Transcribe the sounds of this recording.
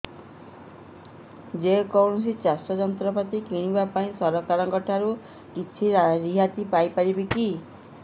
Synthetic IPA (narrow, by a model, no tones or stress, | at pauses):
d͡ʒekɔwnɔsit͡ʃasʈɔd͡ʒɔnt̪ɾɔpat̪ikiɽ̃ibapaĩsɔɾɔkaɾɔŋkɔʈʰaɾu | kit͡ʃʰiɾaɾiɦat̪ipajpaɾibiki